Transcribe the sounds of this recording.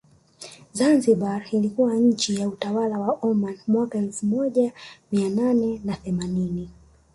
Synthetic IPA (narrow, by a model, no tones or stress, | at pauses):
zanziɓaɾilikuwaɲ̩t͡ʃijautawalawaʔɔmanmwakaɛlfumɔʄamiananɛnaθɛmanini